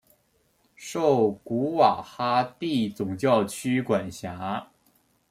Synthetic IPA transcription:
ʂo˥˩ʊku˧˥wa˨˩xa˥t̪i˥˩t͡sʊ˨˩ŋt͡ɕjɑ˥˩ʊt͡ɕʰy˥kwa˨˩nɕja˧˥

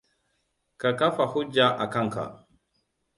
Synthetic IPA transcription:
ka˨ka˦fa˨hu˦d͡ʒːa˦ʔa˨ka˦ŋka̰˨

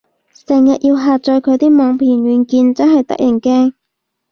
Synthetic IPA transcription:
sɛː˨˩ŋjɐ˨t̚jʔiː˧wɦaː˨t̚t͡ʃɔː˧jkʰɵ˨˧ɥt̪iː˥mɔː˨˧ŋpʰiː˨˩nɥyː˨˧nkiː˧nt͡sɐ˥nhɐ˨jt̪ɐ̰˥k̚jɐ˨˩nkɛː˥ŋ

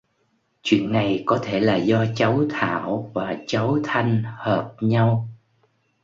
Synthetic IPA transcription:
t͡ɕwḭ˧˨ənːa˨˩jkɔ˨˦t̪ʰe˧˩laː˨˩zɔ˧t͡ɕə˨˦wt̪ʰa̰ː˧˨wvaː˨˩t͡ɕa˨˦wt̪ʰa˧jŋ̟həː˨˩p̚ɲa˧w

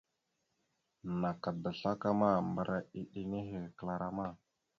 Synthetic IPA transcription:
na˨ka˨da˨ɬa˦ka˦ma˦mbə˨ɾʔa˨i˨ɗi˨ne˦ɦe˨kə˨la˨ɾa˦˨ma˦˨

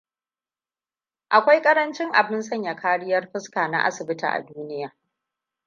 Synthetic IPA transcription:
ʔa˨kʷa˦jkʼɐ˦ɾɐ˦nt͡ʃɪ˦ŋʔa˨bɪ˦nsɐ˦ɲja˨kʰaː˦ɽɪ˦jɐ˦rɸɪ˦skaː˨na̰˦ʔa̰˦sɪ˨bɪ˦ta̰˨ʔa̰˨duː˦nɪ˦jaː˨

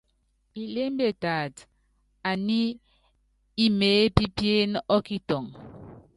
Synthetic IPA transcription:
i˨le˦m˦be˨taː˨t | a˨ni˦ | i˦meː˨˦pi˦pje˦nɔ˦ki˦tɔ˨ŋ

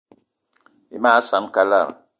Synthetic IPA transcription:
i˨maː˦sa˨˦m˦ka˦la̰˦˨ɾ

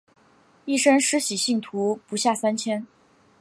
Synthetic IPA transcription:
i˥˩ʂə˥nʂɻ̩˧˥ɕi˨˩ɕi˥˩ŋt̪ʰu˧˥pu˧˥ɕja˥˩sa˥nt͡ɕʰjɛ˥n

